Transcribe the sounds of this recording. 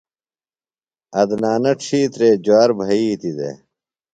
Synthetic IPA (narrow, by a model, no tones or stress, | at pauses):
ɐd̪naːnɐʈ͡ʂʰiːt̪ɾeːd͡ʑwaːɾbʱɐiːt̪id̪ḛ